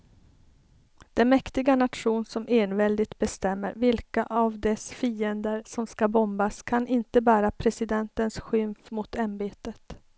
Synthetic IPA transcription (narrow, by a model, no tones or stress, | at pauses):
d̪̥ɛnmɛkt̪ɪɡanat̪ɧuːnsɔmʔeːnvɛld̪ɪt̪̚bɛst̪ɛmːə̰ɾvɪlkaʔavd̪ɛsfiːənd̪əɾsɔmskabɔmbaskʰanʔɪnt̪əbæːɾapʰɾɛsɪd̪ɛnt̪ənsɧʏmfmʊt̪ambeːt̪ət̪